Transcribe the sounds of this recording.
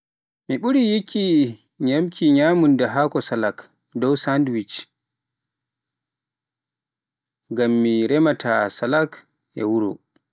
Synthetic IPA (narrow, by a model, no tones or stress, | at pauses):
miɓuɾijikʰːi | ɲamkʰiɲaːmundɛɦakɔsalak | dɔwsandwit͡ʃ | ɡamːiɾɛmatʰasalak | ʔɛ̰wuɾɔ̰